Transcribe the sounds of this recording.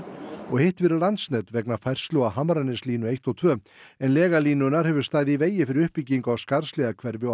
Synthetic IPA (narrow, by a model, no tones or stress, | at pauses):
ɔɣhɪht̪vɛɾɪlant̪snɛt̪vɛknafajr̥st̪loaɦamɾanːɪsliːnʏejht̪ɔt̪ʰvœː | ɛnlɛːɣaliːnʏnːaɾ̥hɛvʏɾ̥st̪aːɣðɪiveːjɪfɪɾɪɾʏhpicːiŋkawskaɾslɛɣakʰvɛɾvɪ